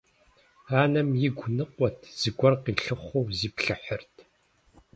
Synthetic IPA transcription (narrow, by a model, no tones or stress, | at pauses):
aːnɐmjɪɡʷʊnɨqʷɔtʰz̥ɨɡʷɔrqiːɬɨχʷowziːpɬɨħərtʰ